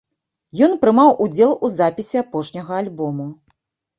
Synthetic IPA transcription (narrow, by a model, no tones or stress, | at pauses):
jɔnpɾɨmawʔud͡zʲɛlˠuzapʲisʲiapɔʂnʲɐɣɐalʲbɔmu